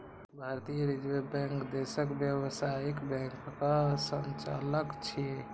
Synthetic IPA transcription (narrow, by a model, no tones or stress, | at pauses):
bʱaɾt̪ijəɾid͡ʒmebɛ̃ŋkd̪esəkbjəwsaikbɛ̃ŋkːasənt͡ʃa̰ləkt͡ʃʰi